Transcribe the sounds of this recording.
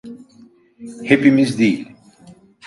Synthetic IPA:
hepimizd̪iːl

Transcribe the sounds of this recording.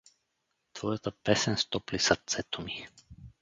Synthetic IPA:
t̪vɔjat̪apɛsɛnst̪ɔplisat̪sɛt̪ɔmi

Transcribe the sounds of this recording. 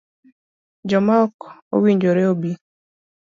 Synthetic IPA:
d͡ʒɔmaɔko̰wiɲd͡ʒoɾɛobi

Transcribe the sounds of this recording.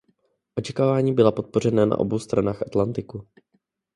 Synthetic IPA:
ʔo̞t͡ʃɛkaːvaːɲiːbɪlapo̞t̪̚po̞r̝ɛnana̰ʔo̞̰bo̞wst̪ɾanaːxʔat̪lant̪ɪku

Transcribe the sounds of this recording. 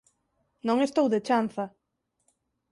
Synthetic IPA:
nõŋest̪owðet͡ʃanθɐ

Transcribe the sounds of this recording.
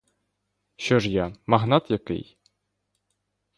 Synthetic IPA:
ɕoʐjɑmɑɣnɑt̪jɤ̆kḛj

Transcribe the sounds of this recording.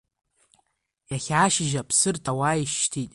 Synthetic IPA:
jaχʲaːʃɪʒapʰsɨrtʰawajiʃːtʰitʼ

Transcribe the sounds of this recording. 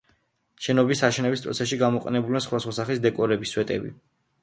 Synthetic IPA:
ʃɛnɔbisaʃɛnɛbispʼɾɔ̰t̪sʰɛsʃiɡamɔqʼɛnɛbulasχwad̪asχwasaχlisd̪ɛkʼɔɾɛbiswɛt̪ʼɛ̰bḭ

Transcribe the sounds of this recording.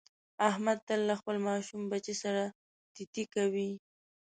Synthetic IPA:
ahmad̪̚t̪əlːaxpəlmɑʃumbat͡ʃisaɾa | t̪ɪt̪ikawi

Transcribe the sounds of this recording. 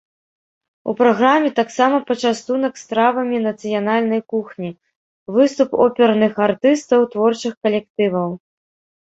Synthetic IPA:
ṵpɾaɣɾamʲɛt̪aksamɐpɐt͡ʂast̪unɐkst̪ɾavɐmʲinɐt̪sɨjanalʲnɐjkuxnʲi | vɨst̪upɔpʲɛɾnɨxart̪ɨst̪ɐwt̪vɔrt͡ʂɨxkɐlʲɛkt̪ɨvɐw

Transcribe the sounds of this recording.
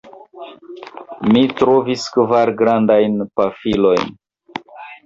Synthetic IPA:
mitɾo̞viskvaɾɡɾandajnpafilo̞jn

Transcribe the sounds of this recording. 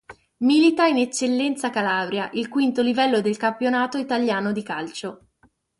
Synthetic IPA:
milit̪ainet͡ʃːelːɛnt̪sakalaːbɾjaʔilkwint̪olivɛlːod̪elkampjonaːt̪oit̪aljaːnod̪ikalt͡ʃo

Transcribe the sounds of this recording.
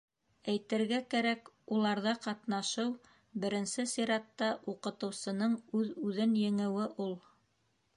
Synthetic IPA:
æjt̪ɘ̆ɾɡækæɾækulˠɑɾðɑqɑt̪nɑʃɤw | bɘ̆ɾɘ̆nsɘsiɾɑt̪ːɑʔuqɤ̆t̪ɤ̆wsɤ̆nɤɴʉðʉðɘnjɘ̆ŋɘ̆wɘʔulˠ

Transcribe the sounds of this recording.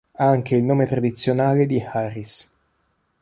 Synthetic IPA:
aaŋk̟eilnoːmet̪ɾad̪it̪sːjonaːled̪iharis

